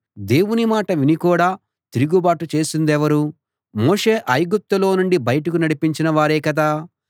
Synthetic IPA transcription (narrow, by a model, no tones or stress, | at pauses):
d̪e̞ːwunimaːʈɐʋinikuːɽaː | t̪iɾuɡubaːʈut͡ʃe̞ːsind̪ɛʋɐɾu | moːʂeːʔɐjɡup̚t̪ɐlo̞ːnuɳɖibɐjɐʈɐkunɐɽipiɲt͡ʃinɐʋaːɾeːkɐd̪aː